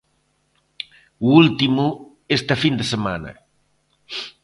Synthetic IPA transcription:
uult̪imu | est̪ɐfind̪esemanɐ̰

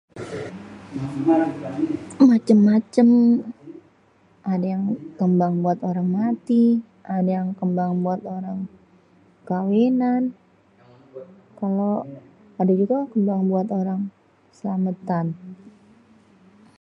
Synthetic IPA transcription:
mat͡ʃəmːat͡ʃəm | ʔadajaŋkəmbaŋbuat̪oɾaŋmat̪i | ʔadajaŋkəmbaŋbuat̪oɾaŋ | kawenan | kalo | adad͡ʒuɡakəmbaŋbuat̪oɾaŋ | səlamət̪an

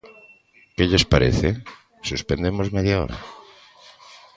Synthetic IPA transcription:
kɪʎespaɾḛθe | suspend̪emozmeðjao̰ɾa̰

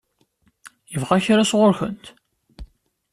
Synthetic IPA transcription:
jəvʁæçɾasʁʊɾçə̰nt̪

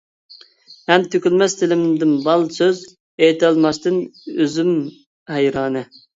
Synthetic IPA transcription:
hɛmt̪ʰøkʲylmɛst̪ʰɪlɪmd̪ɪnbɑlˠsøz | et̪ʰɑlˠmɑst̪ɨnøzym | hɛjɾɑːnɨ

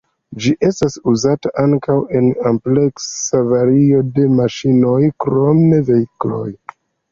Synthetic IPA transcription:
d͡ʒiʔe̞stasuzataʔaŋkawe̞nample̞ksavaɾio̞de̞maʃino̞jkɾo̞mneve̞iklo̞̰j

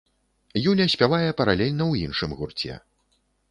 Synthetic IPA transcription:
julʲɐsʲpʲavajɛpɐɾalʲɛlʲnɐwjinʂɨmɣurt͡sʲɛ̰

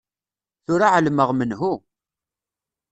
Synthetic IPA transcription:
θʊɾaʕəlməʁmənɦu

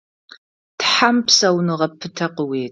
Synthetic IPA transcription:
tħampʰsɐwnɨʁɐpʰɨtʰɐqəweːtʰʼ

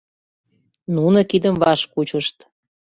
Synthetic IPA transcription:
nunəkid̪əmvɑʃkut͡ɕəʃt̪

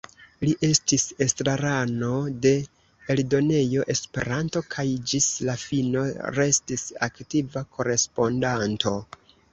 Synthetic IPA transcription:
liʔe̞stise̞stɾaɾano̞de̞ː | ldo̞ne̞jo̞ʔe̞spe̞̰ɾanto̞kʰajd͡ʒislafino̞̰ɾe̞stisa̰ktivakʰo̞ɾe̞spo̞ndantʰo̞

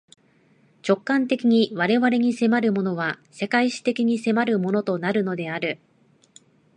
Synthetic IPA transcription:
t͡ɕo̞kːãnt̪e̞kʲiɲ̟iβaɾe̞βaɾe̞ɲ̟ise̞maɾɯ̟mo̞no̞β̞ase̞kaiɕi̥t̪e̞kʲiɲ̟ise̞maɾɯ̟mo̞no̞t̪o̞naɾɯ̟no̞d̪e̞aɾɯ̟

